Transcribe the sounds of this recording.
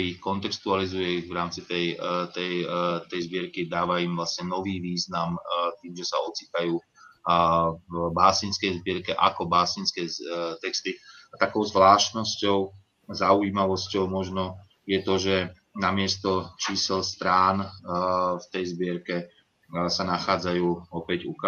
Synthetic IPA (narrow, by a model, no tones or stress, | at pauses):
ixkɔnt̪ɛkst̪ualizujɛiɣʋɾaːmt͡sit̪ɛjt̪ɛjt̪ɛjzbɪɛɾkid̪aːʋaimʋlasɲɛnɔʋiːʋiːznamt̪iːmʒɛsaɔt͡sit̪ajuː | baːsinskɛjzbɪɛɾkɛʔa̰kɔbaːsinskɛːt̪ɛkst̪iat̪akɔʊzʋlaːʃt̪nɔscɔʊ | zauiːmaʋɔscɔʊmɔʒnɔ | jɛt̪ɔʒɛ | namɪɛst̪ɔt͡ʃiːsɛlst̪ɾaːn | ft̪ɛjzbɪɛɾkɛ | sanaxaːd͡zajuːɔpɛɟṵka